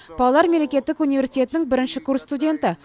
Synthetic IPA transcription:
pʰɑlˠlˠɑɾmele̞kʲe̞t̪ːɪkunive̞ɾsi̥t̪ʲe̞t̪ɪnɪŋbɪɾɪnʃɪkurst̪udʲe̞nt̪ə

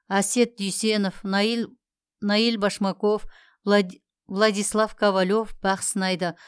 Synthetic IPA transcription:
æse̞t̪̚d̪ʏjse̞nof | nɑjilbɑʃmɑko̞f | vlˠɑd̪ijslˠɑfkʰavalʲo̞fb̥ɑq̪sənɑjd̪ə

